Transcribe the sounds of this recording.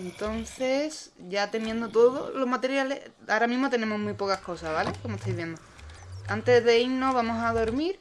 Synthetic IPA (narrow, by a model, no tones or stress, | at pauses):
ent̪o̞nθe̞sɟ͡ʝat̪e̞mjend̪ot̪o̞ðo̰lo̞ɦmat̪e̞ɾjale̞ | aɾamĩɦmo̞t̪e̞ne̞mo̞ɦmipo̞kahko̞saβale̞komot̪ʰojβje̞nd̪o | ant̪e̞zðe̞ino̞βamo̞saðo̞ɾmiɾ